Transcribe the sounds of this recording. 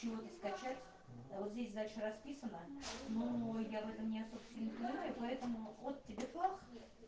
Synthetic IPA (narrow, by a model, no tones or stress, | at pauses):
ɪvo̞t̪əskɐt͡ʃætʲ | vot̪zʲdʲesʲd̪alʲʂərɐspʲisənənojavɛt̪əmnʲɪɐsobst̪vʲɪnːəp̪lʲanujɪpɐɛt̪əmʊot̪ʲtʲːɪbʲefˠaχ